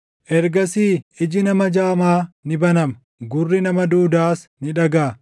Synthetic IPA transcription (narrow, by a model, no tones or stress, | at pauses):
ʔɛɾɡɐsiːɪd͡ʒɪnɐmɐd͡ʒaːmaːnɪbɐnɐmɐ | ɡʊrːɪnɐmɐd̪uːd̪aːsnɪᶑɐɡaː